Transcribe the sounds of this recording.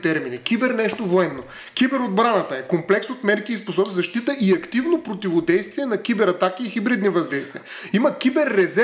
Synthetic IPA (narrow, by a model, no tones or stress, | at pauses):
t̪ɛɾminikʲibɛɾnɛʃt̪ovoɛnːo | kʲibɛɾod̪̚bɾanɐt̪əɛkomplɛksot̪mɛɾkiːsposɔbizɐʃt̪it̪əʔiɐkt̪ivnopɾot̪ivod̪ɛjst̪viɛnɐkʲibɛɾɐt̪akiːxibɾid̪nivɐzd̪ɛjst̪viəiməkʲibɛɾːɛzɛ